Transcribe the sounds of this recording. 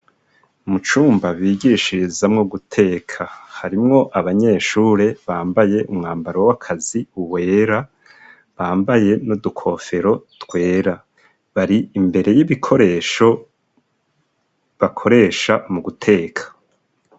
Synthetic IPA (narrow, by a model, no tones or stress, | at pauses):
mut͡ʃuːmbaβiːɟiːʃiɾizamŋoɡutʰe̞ːkʰahaɾimŋo̞ʔaβaɲe̞ːʃuːɾe̞βaːmbaje̞ʔumŋaːmbaɾowakʰaziuwe̞ːɾa | βaːmbaje̞nodukʰo̞fe̞ɾo̞tɡwe̞ːɾa | βaɾiimbe̞ɾe̞jiβikʰo̞ɾe̞ːʃo̞ | βakʰo̞ɾe̞ːʃamuɡutʰe̞ːkʰḁ